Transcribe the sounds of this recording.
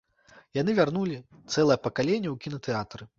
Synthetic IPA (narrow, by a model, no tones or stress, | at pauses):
jan̪ɨvʲarnulʲi | t̪sɛlˠɐjɐpɐkalʲenʲːɐwkʲinɐt̪ɛat̪rɨ